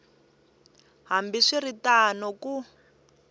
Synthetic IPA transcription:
ɦambiʂiɾitanɔku

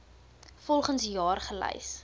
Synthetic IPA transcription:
fɔlˠχənsjɑːrχəlɛ̰js

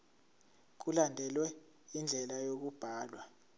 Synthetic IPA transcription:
k̬ulandʱɛlwɛ | ind͡ɮʱɛlajok̬ub̥ʱaːlwa

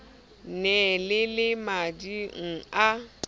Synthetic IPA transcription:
nɛlɪlɪmad͡ʒiŋ̩a

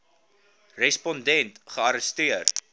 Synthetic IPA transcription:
rɛspɔndɛntχəɐɾəstiər

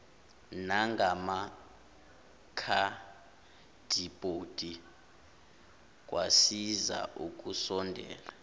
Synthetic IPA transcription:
naŋɡʱama | kʰa | d̥ʱibʼʱod̥ʱʼi | k̬ʼwʔasiza̰ʔuk̬ʼusɔndʱɛ̰ːla

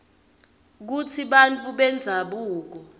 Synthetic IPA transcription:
k̬ut͡sʰiɓant͡fʰʼuɓɛnd͡zʱaɓuːk̬ɔ

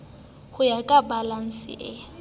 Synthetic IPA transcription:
hʊjakʼabalan̩sɪ̰ʔɛ

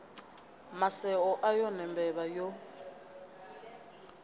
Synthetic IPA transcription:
masɛɔʔajɔnɛmbɛβajo

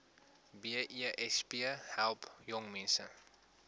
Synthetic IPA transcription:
biəʔiʔɛspiəhɛlˠpjɔŋmɛnsə̰

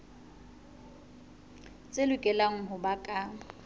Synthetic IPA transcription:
t͡sʼelʊkʼɛlaŋ̩ɦʊbakʼa

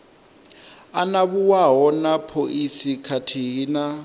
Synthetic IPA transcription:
anaβuwaɦɔnapʰoʔisikʰatʰiɦina

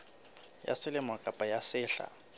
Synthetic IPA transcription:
ja̰sɪlɪmwakʼapʼajasɪːɬa̰

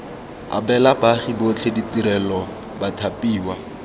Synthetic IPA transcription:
a̰bɛlabaχibot͡ɬʰeditiɾɛlɔ | batʰapʼiːwa

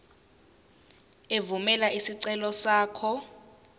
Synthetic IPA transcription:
evumɛlaisiǀɛlɔsaːkʰɔ

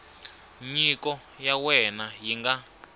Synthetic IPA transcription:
ɲikɔ | jawɛnajiŋɡa

